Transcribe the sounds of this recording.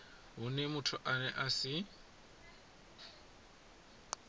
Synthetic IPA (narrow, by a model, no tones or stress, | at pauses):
ɦʊnɛmʊtʰʊʔanɛʔasɪ